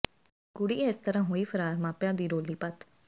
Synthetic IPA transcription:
ɡʊɽiːɪst̪əɾãːɦoːiːpʰəɾaːɾmãːpjãːd̪iːɾoːliːpət̪

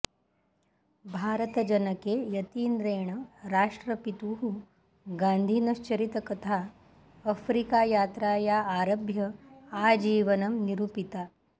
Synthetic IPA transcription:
bʱaːɾət̪əd͡ʒɐnɐkejɐt̪iːnd̪ɾeːɳəɾaːʂʈɾəpit̪uɦu | ɡand̪ʱiːnɐɕt͡ʃɐɾit̪ɐkɐt̪ʰa | ɐfɾikajaːt̪ɾajaaːɾɐbʱjɐad͡ʒiːʋɐnɐmniɾupit̪a

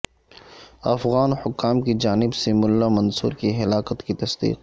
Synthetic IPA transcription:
ɐfɣaːnhʊkːaːmkid͡ʒaːnɪbsemʊlːamɐnsṵːɾkiɦɐlaːkət̪kit̪ɐsd̪ḭːq

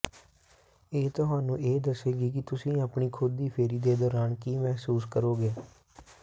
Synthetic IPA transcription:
eːt̪ʊɦaːnũːʔeːd̪əseːɡiːkɪt̪ʊsĩːaːpɳiːkʰʊd̪iːpʰeːɾiːd̪eːd̪ɔːɾaːnkiːmɛɦsuːskəɾoːɡeː

